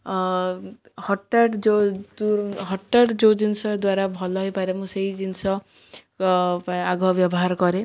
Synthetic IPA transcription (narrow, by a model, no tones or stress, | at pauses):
hɔʈːaʈd͡ʒod̪uɾɦɔʈːaʈd͡ʒod͡ʒinsɔd̪waɾabʱɔlɔɦɔjpaɾemũseid͡ʒinsɔ | aɡʱɔbjɔbɔɦaɾkɔɾe